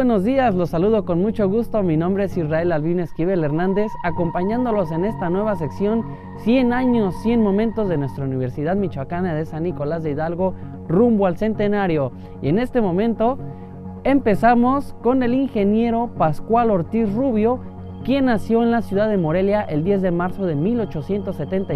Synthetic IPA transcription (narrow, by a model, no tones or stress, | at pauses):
weno̞zðiaslo̞sːaluð̞o̞ko̞nmut͡ʃo̞ɣust̪o̞minõmbɾeesirae̞lalβineskiβele̞ɾnãnd̪e̞sako̞mpaɲãnd̪o̞lo̞s̬e̞ne̞st̪anweβ̞ase̞ksjo̞n | sje̞naɲo̞sːje̞nmõ̞mẽnt̪o̞zðe̞nwe̞st̪ɾauniβ̞e̞ɾsið̞aðmit͡ʃwakanaðesanːiko̞lazðeiðalɣo̞ | rumboalse̞nt̪e̞naɾjo̞ | ie̞ne̞st̪e̞mõ̞mẽ̞nt̪o̞ | e̞mpe̞samo̞sko̞ne̞liŋxe̞nje̞ɾo̞paskwalo̞ɾt̪isruβjo̞ | kje̞nːasjo̞enlasjuðaðe̞mo̞ɾe̞ljaʔe̞ld̪je̞zðe̞maɾso̞ðemilo̞t͡ʃo̞sje̞nt̪o̞sːe̞t̪e̞nt̪a